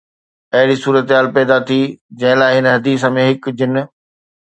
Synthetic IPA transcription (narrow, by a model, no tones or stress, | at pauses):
ɐɦɪɽisuːɾət̪ɦaːlpɛːd̪at̪ʰid͡ʑɐ̃ɦɪ̃laːɪɦɪnɦɐd̪iːsamẽɦɪkd͡ʑɪn